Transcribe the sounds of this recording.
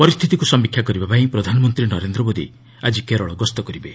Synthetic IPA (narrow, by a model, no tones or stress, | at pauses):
pɔɾist̪ʰit̪ikusɔmbikʰjakɔɾibapaĩpɾɔd̪ʱanɔmɔnt̪ɾinɔɾend̪ɾɔbod̪ḭ | ad͡ʒikeɾɔɭɔɡɔst̪ɔkɔɾibe